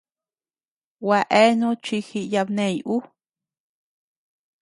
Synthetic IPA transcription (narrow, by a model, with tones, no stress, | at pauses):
wa˧ʔe˦nũ˦t͡ʃi˧xi˧ja˧bnẽ˧˨jʔu˦